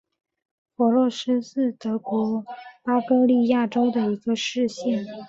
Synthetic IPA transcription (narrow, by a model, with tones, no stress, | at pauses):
fɔ˧˥lɔ˥˩ʂɻ̩˥ʂɹ̩˥˩t̪ɤ˧˥kwɔ˧˥pa˥kɤ˥li˥˧ja˥˩ʈ͡ʂo˥ʊd̪ə˨i˧˥ɡə˧ʂɻ̩˥˧ɕɛ˥˩n